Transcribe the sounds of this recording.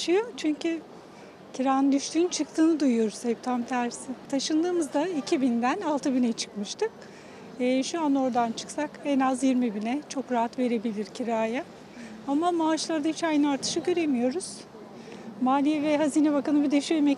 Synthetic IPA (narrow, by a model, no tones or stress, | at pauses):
ʃɯjo̞t͡ʃʰyɲcʰy | cʰiɾaːnɯnd̪yʃt̪ʰyːnt͡ʃʰɯk̚t̪ʰɯːnɯd̪ujujo̞ɾuz̥hɛp̚t̪ʰamt̪ʰæɾsit̪ʰaʃɯnd̪ɯːmɯzd̪aicʰibind̪ænalˠt̪ʰɯbinɛt͡ʃʰɯ̥kmɯʃt̪ʰɯkː | ʃuano̞ɾd̪ant͡ʃʰɯ̥ksakɛnazjiɾmibinɛt͡ʃʰo̞kɾaɦat̪ve̞ɾe̞bilʲiɾcʰiɾaːja | amamaːʃlˠaɾd̪ahit͡ʃajnɯaɾt̪ʰɯ̥ʃɯɟø̞ɾe̞mijo̞ɾuz̥ | maːlʲijɛvɛɦaziːnɛbakanɯbid̪eʃyemɛ